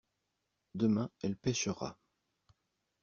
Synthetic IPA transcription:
d̪əmɛ̃ɛlpɛʃəʁa̰

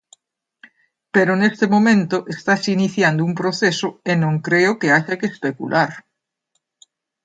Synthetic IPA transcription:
peɾonest̪emõmẽnt̪oʔest̪asiniθjand̪oumpɾoθesoenõŋkɾeokeaʝakespekṵlʔaɾ

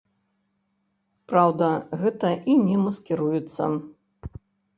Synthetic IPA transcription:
pɾawd̪ɐɣɛt̪ɐʔinʲɛmɐskʲɛɾujɛt̪sːɐ̰

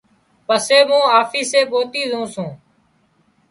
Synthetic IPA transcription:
pəseːmũːaːfʰiːseːɓoːt̪iːzũːsũː

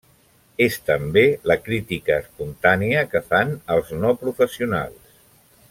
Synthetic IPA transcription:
est̪əmbeləkɾit̪ikəːspunt̪aniəkəfanəlˠznɔpɾufəsiuna̰lˠs

